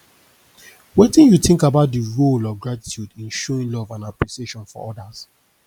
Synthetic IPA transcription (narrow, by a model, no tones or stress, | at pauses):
wetĩnjutɪ̃ŋkabaʊt̚diɹolɔvɡɹati̥tʰjudĩnʃɔɹĩnlɔvãnaplisieʃɔ̃nfɔ̰ɔdas